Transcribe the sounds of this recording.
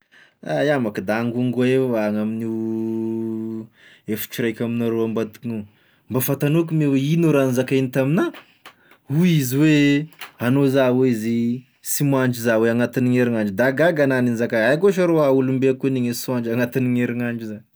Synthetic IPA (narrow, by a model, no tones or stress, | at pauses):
ajamakid̪aŋɡuŋɡeaŋamini | efi̥t͡ʃiɾajkʲaminaɾoambad̪i̥kinu | mbafat̪anok̬umeweinoɾanzakainit̪amina | uiziweanozaweizi | simaɳd͡ʒizaweaŋat̪iniŋeɾiŋaɳd͡ʒid̪aɡaɡananinzakaajkoaʃaɾoaulumbeakuniŋesaɳd͡ʒaŋat̪iniŋeɾiŋaɳd͡ʒiza